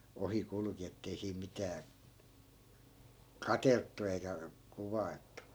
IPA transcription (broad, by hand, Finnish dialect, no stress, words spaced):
ohi kulŭki etːei siːm mitæː kɑteltːu eikæ kuʋɑi̯ltˑu